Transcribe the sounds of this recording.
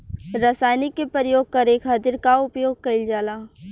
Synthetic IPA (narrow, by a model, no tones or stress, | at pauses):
ɾasaːjnɪkːepɾəɾəjoːɡ̚kɐɾeːkɦɐt̪ɪɾkaʊpjoːɡ̚kɐɪld͡ʒaːlaː